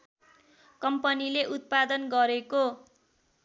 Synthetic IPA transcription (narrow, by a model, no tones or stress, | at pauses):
kʌmpʌnileʔut̪̚pad̪ʌnɡʌɾeko